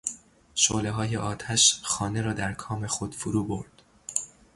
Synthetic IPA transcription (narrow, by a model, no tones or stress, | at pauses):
ʃoleɦɒːjeʔɒːt̪ʰæʃxɒːne̞ɾɒːd̪æɾkʰɒːme̞xod̪̥foɾuːbo̞ɾd̪̥